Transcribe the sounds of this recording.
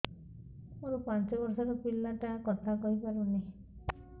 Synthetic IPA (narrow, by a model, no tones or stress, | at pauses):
oɾupant͡ʃɔbɔɾsaɾɔpilːaʈakɔt̪ʰakɔɦipaɾune